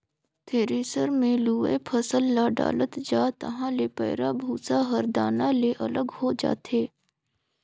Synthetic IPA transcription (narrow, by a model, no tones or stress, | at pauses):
t̪ʰeːɾeːsəɾmẽluːḛpʰəsəlːaɖa̰ːlət̪d͡ʒaːt̪ə̰ɦãlepɛ̰ːɾabʱuːsaɦəɾd̪aːnãleʔɐləɡhod͡ʒa̰ːt̪eː